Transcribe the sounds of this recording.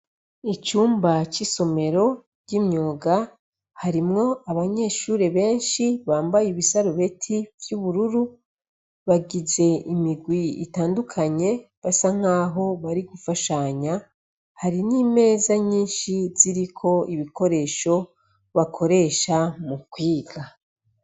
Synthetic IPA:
it͡ʃuːmbat͡ʃiso̞me̞ɾo̞ | ɟimɲoːɡa | haɾimŋo̞aβaɲe̞ːʃuːɾe̞βe̞ːnʃiβaːmbajiβisaɾuβe̞tʰivjuβuɾuɾu | βaɡize̞imiɡwiḭtaːndukʰaɲe̞ | βasaŋ̥aːɦo̞βaɾiɡufaʃaɲa | haɾiniːme̞ːzaɲiːnʃiz̥iɾikʰo̞iβikʰo̞ɾe̞ːʃo̞ | βakʰo̞ɾe̞ʃamukwiːɡa

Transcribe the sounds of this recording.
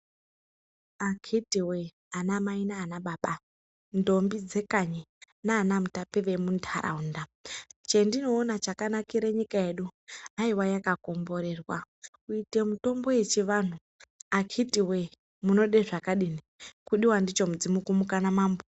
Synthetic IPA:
akʰitiwe | anamainaːnaɓaːɓa | ndo̞mbid͡ze̞kaɲe | naːnamutapeʋe̞muntʰa̰ɾa̰undat͡ʃe̞ndino̞ːnat͡ʃakanakiɾe̞ɲikae̞ɗuaiwajakako̞mbo̞ɾe̞rwa | kuite̞muto̞mbo̞je̞t͡ʃiʋan̤u | akʰitiwe̞ | muno̞ɗe̞ʐakaɗini | kuɗiwandit͡ʃo̞mud͡zimukumukanamaːmbo

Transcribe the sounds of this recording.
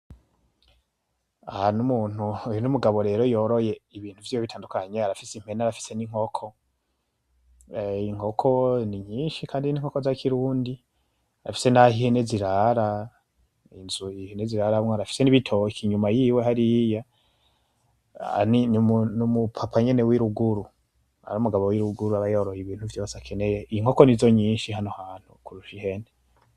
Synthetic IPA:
ahanumuːn̥huujonumuɡaβo̞ɾe̞ːɾo̞joɾo̞je̞iβiːn̥uvjijoβitʰaːndukaɲe̞aɾafisim̥e̞naɾafi̥se̞niŋ̥ho̞kʰo̞ | iŋ̥o̞kʰo̞niɲiːnʃikʰaːndiniŋ̥ho̞ko̞zakʰiɾuːndi | aɾafi̥se̞nahiheneziɾaɾa | inzuiheneziɾaɾamŋaɾafi̥se̞niβitʰo̞kiɲumajiːwe̞ɦaɾija | ninmunumupʰapʰaɲe̞ne̞wiɾuɡuɾu | a̰ɾuːmuɡaβowiɾuɡuɾuaβajoɾohiβiːn̥huvjo̞ːsakʰe̞ne̞jeʔiiŋo̞ko̞nizo̞ɲiːnʃihanohaːn̥hukuɾuʃihe̞ne

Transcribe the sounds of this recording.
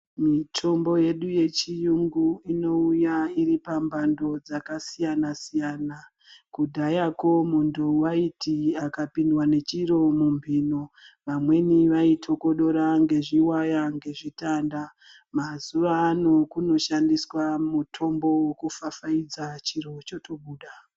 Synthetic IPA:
mitʰo̞mbo̞je̞ɗuje̞t͡ʃijuŋɡuino̞ujaiɾipambʱando̞d͡zakasijanasijaːna | kudʱajako̞muntʰuwaitiakapindwane̞t͡ʃiɾo̞mumbʱinoʋamwe̞niʋaitʰo̞ko̞ɗo̞ɾaŋɡe̞ʐiwajaŋɡe̞ʐitanda | mazuʋaːno̞kuno̞ʃandiswamutʰo̞mbo̞wokufafaid͡zat͡ʃiɾo̞t͡ʃo̞tʰo̞ɓuːɗa

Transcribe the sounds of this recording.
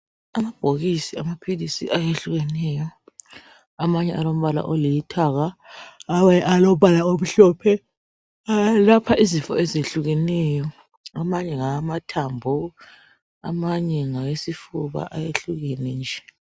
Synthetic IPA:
amab̥ʱoɣisiamapʰilisḭʔajeɬuɣɛnɛjɔ | amaɲɛalom̩βala̰ʔolijitʰaɣaː | wɛʔalɔβalaoβuɬɔːpʰɛ | lapʰaʔizifɔ̰ezeɬuɣɛnɛjɔ | amaɲɛŋamatʰambʱɔ | amaɲɛŋaɣesifuβa̰ʔajeɬuɣɛnɛnd͡ʒʱɛ

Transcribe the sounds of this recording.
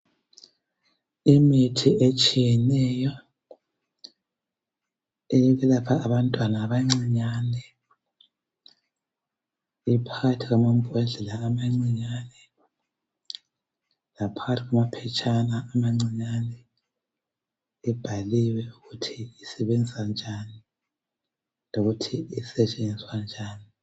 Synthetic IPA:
imitʰiet͡ʃʼijɛnɛjɔ | eliβɛlapʰaːβantʼwanaːβaŋ͡ǀiɲanɛ | ipʰaɣatʰiɣwamam̩b̥ʱɛɮɛlaːmaŋ͡ǀiɲanɛ | lapʰaɣatʰiɣwamapʰɛt͡ʃʼanaʔːmaŋ͡ǀiɲanɛ | ɛb̥ʱaliwɛuɣutʰiisɛβɛnd͡ziand͡ʒʱani | noɣutʰiisɛt͡ʃʼenwand͡ʒʱaːni

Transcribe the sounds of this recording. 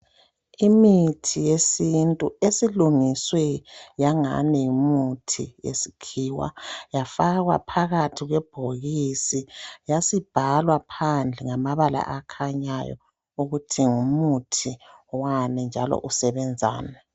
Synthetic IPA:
imitʰijesintʼuesiluŋiswɛjaŋa̰nɛjimutʰḭjḛsi̥kʰiwa̰jafaɣwa̰pʰaɣatʰiɣwɛb̥ʱoɣisijasib̥ʱalwapʰand͡ɮʱɛŋamaβala̰ʔakʰaɲajɔ̰ | uɣutʰiŋumutʰiwanɛnd͡ʒʱalɔ̰ʔusɛβɛnd͡zʱa̰ːnɛ

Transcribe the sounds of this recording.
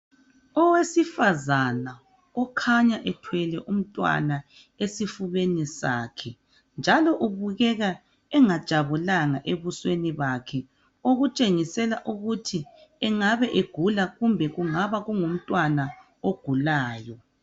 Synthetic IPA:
ɔwesifazana | ɔkʰaɲaʔɛtʰwɛlɛʔum̩tʼwa̰na | esifuβenisa̰ːkʰɛ | nd͡ʒʱalɔʔuβuɣɛɣa | ɛŋad̥ʒ̥ʱaβulaŋaʔeβusweniβakʰɛ | oɣut͡ʃʼeŋisɛlaʔuɣutʰiɛŋaβɛʔeɡ̥ʱulaɣumbʱɛɣuŋaβaɣuŋum̩tʼwana | oɡ̥ʱulaːjɔ

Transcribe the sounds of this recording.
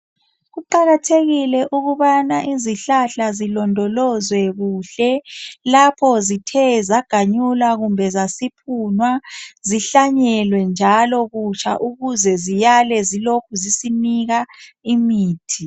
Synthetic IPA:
ɣuǃaɣatʰeɣilɛʔuɣuβanaʔiziɬaɬazilɔndʱɔlɔzwɛɣuːɬɛlapʰɔzitʰɛzaɡ̥ʱaɲulaɣumbʱɛzasipʰunwaziɬaɲɛlwɛnd͡ʒʱalɔɣut͡ʃʰʼa̰ʔuɣuzɛzijalɛzilokʰuzisiniɣa | imiːtʰi

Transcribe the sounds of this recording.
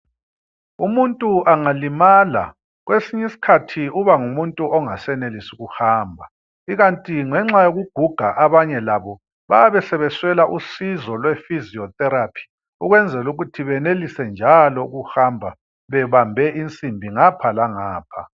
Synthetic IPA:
umuntʼuʔaŋalimala̰ | ɣwesiɲisi̥kʰatʰiuβaŋumuntʼuɔŋasɛnelisuɣuhaːmbʱa | iɣantʼiŋɛŋ͡ǁajoɣuɡ̥ʱuɡ̥ʱaʔaβaɲɛlaβɔ | βa̰jaβɛsɛβɛswɛlaʔusizɔlwɛfiziɔtʼɛɾapʰi̥ | uɣwɛnd͡zʱɛluɣutʰiβɛnelisɛnd͡ʒʱalɔuɣuhambʱa | βɛβambʱɛʔint͡sʼimbʱiŋapʰalaŋaːpʰa

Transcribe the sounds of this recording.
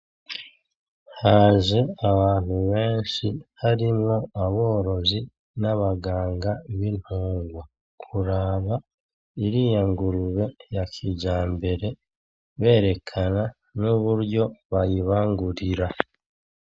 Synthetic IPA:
haːzeaβaːn̥huβe̞ːnʃihaɾimŋo̞aβo̞ːɾo̞zi | naβaɡaːŋɡaβin̥huːŋɡwa | kʰuɾaːβa | iɾijaŋɡuɾuβe̞jakʰiɟaːmbe̞ɾe̞ | βe̞ːɾe̞kʰana | nuβuɾjo̞βajiβaːŋɡuɾiɾa

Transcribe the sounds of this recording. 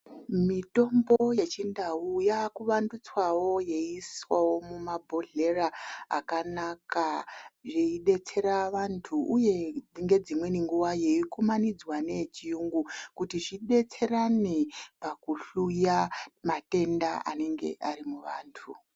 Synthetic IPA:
mito̞mboje̞t͡ʃindaujakuʋandut͡swawo̞je̞iswawo̞mumabʱo̞ɮe̞raa̰kanakaʐeiɗe̞t͡se̞ɾaʋantʰuʔuje̞ŋɡe̞d͡zimwe̞niŋɡuwajeikumanid͡zwane̞t͡ʃijuŋɡukutiʐiɗe̞t͡se̞ranepakuɬujamate̞ndaʔa̰ne̞ŋɡe̞̰ʔarimuʋaːntʰu

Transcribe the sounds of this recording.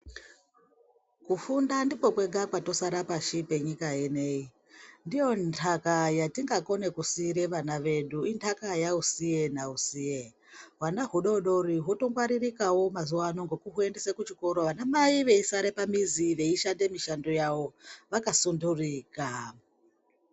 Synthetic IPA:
kufundandipo̞kwe̞ɡakwato̞saɾapaʃipe̞ɲikajene̞i | ndijo̞ntʰakajatiŋɡako̞ne̞kusiɾe̞ʋanaʋe̞ɗuintʰakajausije̞nausije | ɦwanaɦuɗo̞ɗo̞riɦoto̞ŋɡwaɾirikawo̞mazuwanoŋɡo̞kuɦue̞nde̞sekut͡ʃiko̞ɾo̞ʋanamaiʋe̞isaɾe̞pamiziʋe̞iʃande̞miʃando̞jawo̞ʋakasunduriːka

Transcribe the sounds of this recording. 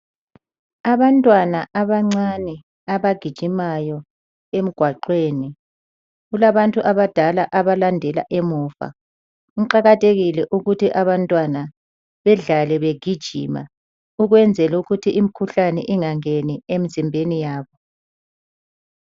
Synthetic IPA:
aβantʼwanaʔaβaŋ͡ǀanɛ | aβaɡ̥ʱid̥ʒ̥ʱimajɔ | em̩ɡ̥ʱwaǃweːni | ɣulaβantʼuʔaβad̥ʱalaʔaβalandʱɛla̰ʔemuːfa̰ | ǃaɣatʰʼeɣilɛʔuɣutʰiʔaβantʼwana | βɛɮalɛβeɡ̥ʱid̥ʒ̥ʱḭma̰ | uɣwɛnd͡zʱɛluɣutʰiʔimikʰuɬanɛʔiŋaŋeniem̩zimbʱenijaːβɔ

